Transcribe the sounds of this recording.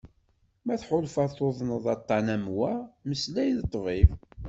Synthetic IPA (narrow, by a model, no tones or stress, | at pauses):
mæθħʊlfɑðθoðˤnəðˤɑt̪ˤːɑnæmwæməslæjðət̪ˤːviv